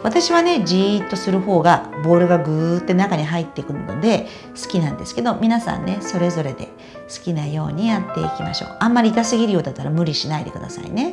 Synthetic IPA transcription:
βat̪aɕiβane̞d͡ʑit̪ːo̞sɨɾɯ̟ho̞ːɡabo̞ːɾɯ̟ɡaɡɯ̟t̪ːe̞nakaɲ̟iɦait̪ːe̞ikɯ̟nno̰d̪e̞ | sɨ̥kʲinãnd̪e̞sɨ̥ke̞d̪o̞mʲinasã̰nnːe̞so̞ɾe̞zo̞ɾe̞d̪e̞̰ | sɨ̥kʲinajo̞̰ːɲ̟ijat̪ːe̞̰ikʲima̰ɕo̞̰ːʔãmːaɾʲiːk̪asɨɡʲiɾɯjo̞ːd̪at̪ːaɾamɯ̟ɾʲiɕinaid̪e̞̰kɯ̟d̪a̰sa̰ḭne̞

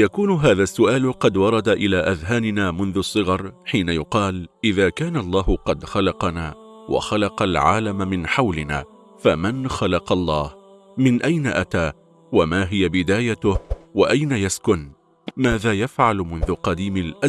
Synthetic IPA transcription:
jakuːnʊɦaːðaːsːʊʔaːlqɑd̪wɑɾˤɑd̪aʔɪlaːʔaðɦaːnɪnaːmʊnðʊsˤːɨɣɑɾˤħiːnajʊqɑːlʔɪðaːkaːnalˤːɑːhʊqɑd̪xɑlɑqɑnaːwʔa̰xɑlɑqɑlʕa̰ːlamamɪnħawlɪna̰ː | famanxɑlɑqɑlˤːɑːh | mɪnʔajna̰ʔat̪aː | wamaːɦɪjabɪd̪aːjat̪ʊwaʔajnajaskʊn | maːðaːjafʕalmʊnðʊqɑd̪iːmɪlʔa

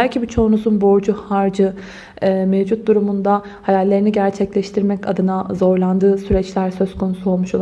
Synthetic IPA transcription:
ælʲcʰibit͡ʃʰo̞unuzunbo̞ɾd͡ʒuhaɾd͡ʒɯː | mevd͡ʒut̪̚d̪uɾumund̪a | hajalʲːe̞ɾiniɟæɾt͡ʃʰɛclʲɛʃt̪ʰiɾmɛca̰d̪ɯnazo̞ɾlˠand̪ɯːsyɾɛt͡ʃlʲæɾsø̞zkʰo̞nusuo̞lˠmuʃolˠ

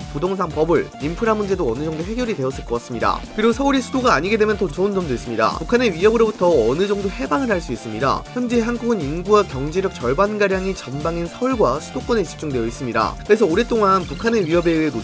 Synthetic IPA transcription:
podoŋsʰaŋpʌbɯɭimpʰɯɾamːund͡ʑe̞doʌnɯd͡ʑʌŋdoɦe̞ɡjʌɾidwe̞ʌs͈ɯɭk͈ʌk͈as͈ɯmɲida̰kɯɾiɡosʰʌuɾisʰudoɡaːɲiɡedwe̞mjʌnt͈ot͡ɕʌɯnd͡ʑʌmdwes͈ɯmɲida̰pukʰane̞ɥiɦʌbɯɾobutʰʌʌnɯd͡ʑʌŋdohe̞baŋɯɭɦaɭs͈uis͈ɯmɲida̰çjʌmnd͡ʑiɦanɡuɡɯninɡuwakjʌŋd͡ʑe̞ɾjʌk̚t͡ɕʌɭbanɡaɾjaŋit͡ɕʌmbaŋinsʰʌuɭɡwasʰud̥ok͈wʌneɕʰi̥p̚t͡ɕ͈uŋdwe̞jʌis͈ɯmɲida̰kɯɾe̞sʰʌoɾe̞t͈oŋanpukʰane̞ɥiɦʌbe̞ɯeno

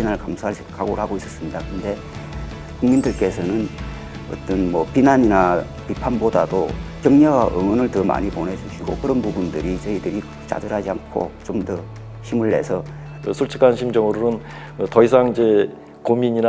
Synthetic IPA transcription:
inaɭkamsʰa | kʰaɡoɾɦaɡois͈ʌ̥s͈ɯmɲidakɯnde̞ | kuŋmindɯɭk͈e̞sʰʌnɯn | ʌ̰t͈ʌnmʌpinaɲina | pipʰanboda̰dokjʌŋɲʌwaʔɯ̰ŋʌnɯɭtʌma̰ɲipone̞d͡ʑuɕʰiɡo̰kɯɾʌnpubundɯɾit͡ɕʌidɯɾi | t͡ɕa̰dɯɾɦad͡ʑiankʰo̰t͡ɕomdʌ | ɕimuɭːe̞̰sʰʌ | sʰuɭt͡ɕʰikʰanɕʰimd͡ʑʌŋɯɾonɯn | tʌis̬ʰaŋid͡ʑe̞ | komiɲina

